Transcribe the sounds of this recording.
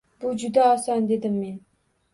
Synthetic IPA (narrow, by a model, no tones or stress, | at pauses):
b̥ʊd͡ʒʊd̪aɒsɒnd̪e̞d̪ɪmːe̞n